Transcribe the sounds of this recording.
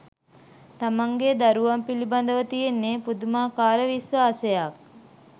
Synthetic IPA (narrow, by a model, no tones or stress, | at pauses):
t̪amɐŋɡed̪aɾuʋɐmpilibɐnd̪əʋɐt̪ijenːeːpud̪umaːkaːɾəʋisʋaːsejak̚